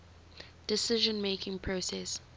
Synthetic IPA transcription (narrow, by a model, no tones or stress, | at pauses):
d̥ɪsɪʒə̃nmeːkʰɪ̃ŋpʰɹosɛs